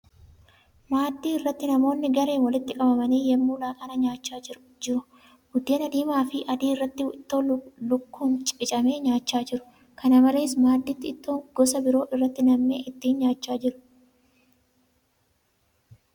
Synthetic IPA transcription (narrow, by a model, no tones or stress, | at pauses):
maːd̪ːiːɪrːɐt̪ːɪnɐmo̞ːnːɪɡɐɾe̞ːnwɐlɪt̪ːɪkʼɐbɐmɐniːjɛmːuːlaːkʼɐnɐɲaːt͡ʃːaːɪɾ | d͡ʒɪɾʊ | ɡʊd̪ːeːnɐd̪iːmaːfɪʔɐd̪iːɪrːɐt̪ːɪwɪt̪ːo̞ːlʊkːuːnt͡ʃʼɪt͡ʃʼɐme̞ːɲaːt͡ʃːaːd͡ʒɪɾʊ̥ | kʰɐnɐmɐle̞ːsmaːd̪ːiːt̪ːɪːt̪ːoːŋɡ̥ɔsɐbɪɾo̞ːʔɪrːɐt̪ːɪnɐmːḛːʔɪt̪ːiːɲaːt͡ʃːaːd͡ʒɪɾʊ̥